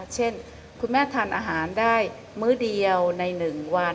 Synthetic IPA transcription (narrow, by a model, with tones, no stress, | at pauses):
t͡ɕʰe˥˩n | kʰu˧nmɛː˥˩t̪ʰaː˧nʔaː˧ɦaː˩˦ndaː˥˩j | mɯː˥˩di˧əwna˧jnɯ˨˩ŋwa˧